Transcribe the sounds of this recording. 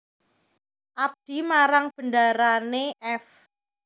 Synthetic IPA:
ʔap̚d̥i̤maɾaŋb̥əndaɾaneʔɛf

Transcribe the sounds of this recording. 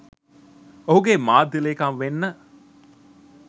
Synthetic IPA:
oɦuɡemaːd̪ilekamʋenːə

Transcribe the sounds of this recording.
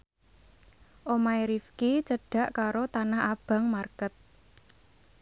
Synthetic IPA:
ʔomaiɾifkit͡ʃəɖ̥ä̤ʔkaɾot̪anahab̥ä̤ŋmarkət̪̚

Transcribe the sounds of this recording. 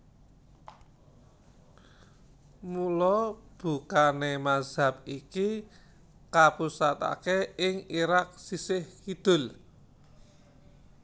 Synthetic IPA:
mulɔb̥ṳkanemaz̥a̤p̚iki | kapusat̪a̰keɪŋiɾak̚sisɪhkid̪̥ʊ̤l

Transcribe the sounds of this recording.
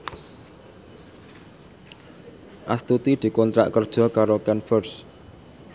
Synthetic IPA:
ʔast̪ut̪id̪̥i̤kɔnt̪ɾa̰ʔkərd̥ʒ̥ɔ̤kaɾokɛnfərs

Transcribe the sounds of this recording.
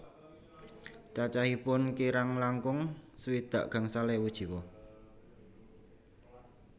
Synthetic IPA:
t͡ʃat͡ʃahipʊnkiɾaŋlaŋkʊŋswid̪̥a̤ʔɡ̥ä̤ŋsalɛwud̥ʒ̥i̤wɔ

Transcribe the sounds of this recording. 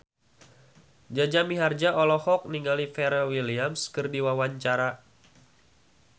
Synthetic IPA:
d͡ʒad͡ʒamiɦard͡ʒaʔɔlɔhɔk̚niŋɡalifɛɾawiliamskɨrdiwawaɲt͡ʃaɾa

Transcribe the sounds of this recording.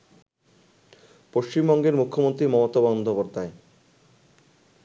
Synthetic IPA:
poʃt͡ɕimbɔŋɡeɾmukʰːomont̪ɾimɔmot̪abɔnd̪ʱopoɾd̪ʱae

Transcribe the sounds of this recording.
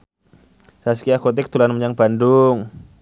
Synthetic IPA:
saskiakot̪̬ɛk̚t̪ulanmuɲaŋpandʊŋ

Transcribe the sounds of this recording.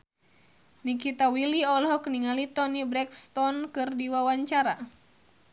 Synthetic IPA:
nikit̪awiliɔlɦɔkəniŋalit̪ɔnibɾɛkst̪ɔnkɨrdiwawaɲt͡ʃaɾa

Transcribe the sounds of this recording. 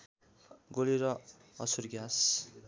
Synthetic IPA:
ɡoliɾʌ | ʌsurɡas

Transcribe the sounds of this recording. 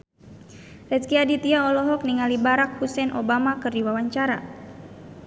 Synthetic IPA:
rɛt̪kiadit̪iaɔlɔɦɔk̚niŋalibaɾak̚husɛnʔobamakɨrdiwawaɲt͡ʃaɾa̰

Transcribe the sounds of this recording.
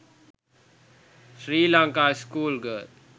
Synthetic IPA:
sɾiːlãŋkaːɪskuːlɡə

